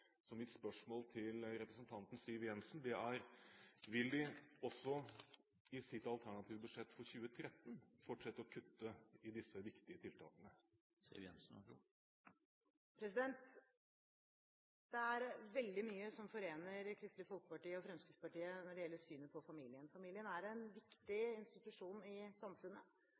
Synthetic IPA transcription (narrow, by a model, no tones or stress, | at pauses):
sɔmːɪt̪spœʂmoːlt̪ʰɪlɾɛpɾəsnt̪ʰɑnt̪n̩siːəʋjɛnsnd̪ɛæɾʋɪld̪ɪɔsːɔ | ɪsɪt̪ɑlt̪ʰæɳɑt̪ʰiːʋəbʉʂɛt̪ːfɔɾçʉːət̪ʰɾɛt̪ːn̩fɔʈʂɛt̪ːəɔkʰʉt̪ːəɪd̪ɪsːəʋɪkt̪ɪət̪ʰɪlt̪ʰɑ̰ːkənə | sḭːɾjɛ̰nsn̩̰ | pʰɾɛs̬ɪd̪ɛnt̪ | d̪̥ɛæɾʋɛld̪ɪmyːəsɔmfɔɾeːnəɾkʰɾɪst̪ləfʊlt̪̚pɑʈiːəɔfɾɛnskɪspɑʈiːənɔɖɛjɛlːəsyːnəpʰɔfɑmiːlɪənfɑmiːlɪənæɾɛnʋɪkt̪ɪɪnst̪ɪt̪ʉʂuːnɪsɑmfʉnːə